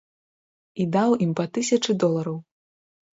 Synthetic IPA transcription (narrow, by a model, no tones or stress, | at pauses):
id̪awimpɐt̪ɨsʲɐt͡ʂɨd̪ɔlˠɐɾɐw